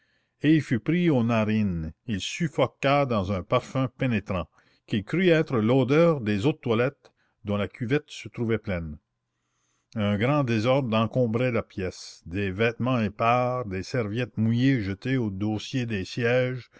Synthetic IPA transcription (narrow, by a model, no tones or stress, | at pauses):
eilfypɾionaʁinilsyfɔkad̪ɑ̃zœ̃paʁfɛ̃penet̪ɾɑ̃ | kilkɾyɛːt̪ɾəloːd̪œːʁd̪ezot̪t̪ːwalɛt̪ | d̪ɔ̃lakʲyvɛt̪sət̪ɾuvɛplɛn | œ̃ɡʁɑ̃d̪ezɔʁd̪ʁɑ̃kɔ̃ːbʁelapjɛsd̪evɛːt̪mɑ̃epaːʁd̪esɛʁvjɛt̪̚mujeʒət̪eod̪oːsjed̪esjɛːʒ